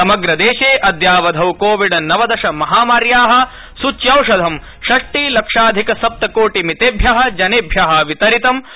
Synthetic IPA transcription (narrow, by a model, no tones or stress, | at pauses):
ɐmɐɡɾɐd̪eːʃeːʔɐd̪jaːʋɐd̪ʱɐwkoːʋiɖɐnɐʋɐd̪ɐʃɐmɐɦaːmaːɾjaːɦɐ̆ | sut͡ʃːjɐwʂɐd̪ʱɐm | ʃɐʂʈiːlɐkʂaːd̪ʱikɐsɐp̚t̪ɐkoːʈimit̪eːbʱjɐɦɐ̆d͡ʒɐneːbʱjɐɦɐ̆ʋit̪ɐɾit̪ɐm